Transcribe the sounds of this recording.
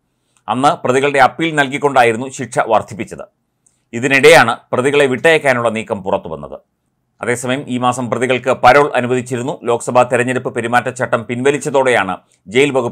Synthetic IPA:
ɐ̰nːɨprɐðiɣɐɭɨɖe̞ɐpːiːlnɐlkikʲːo̞ɳɖaːjiɾunːuɕiʈʂɐ̰ʋɐrd̪ʱipːit͡ɕːɐðɨ̰ | iðiniɽɐjaːɳɨprɐðiɣɐɭe̞ʋiʈːɐjɐkʲːaːnuɭːɐniːkːɐmpurɐt̪ːuʋɐ̰nːɐ̰ðɨ̰ | ɐ̰ðe̞ːsɐmɐjɐmʔiːmaːsɐmprɐðiɣɐɭkɨpɐɾoːɭʔɐnubɐðit͡ɕːiɾunːulo̞ːkɐ̥sɐbʱaːt̪iɾɐɲːɐɾɐpːɨpeɾimaːtːɐt͡ɕɐʈːɐmpinʋɐlit͡ɕːɐðo̞ːɽe̞jaːɳɨ̰ | d͡ʑe̞jilbɐɣupː

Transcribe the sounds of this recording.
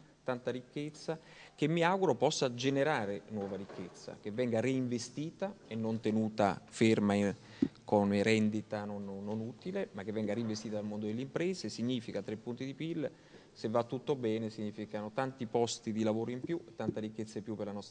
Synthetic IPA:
t̪ant̪aɾikːet̪sːak̟emːiaɡuɾopɔsːad͡ʒeneɾaːɾenwɔːvaɾikːet̪sːa̰k̟evːɛŋɡaɾiiɱvest̪iːt̪aenːont̪enuːt̪a̰ferma | konɾɛnd̪it̪anonːonuːt̪ilemak̟ːevːɛŋɡaɾiɱvest̪it̪ad̪almond̪od̪elːeimpɾɛːsesiɲːiːfikat̪ɾepːunt̪id̪ipilː | sevːat̪ːut̪ːobɛːnesiɲːiːfikanot̪ant̪ipɔst̪id̪ilavoːɾoimpjuet̪ːant̪aɾikːet̪sːampːjupːerlanɔst̪

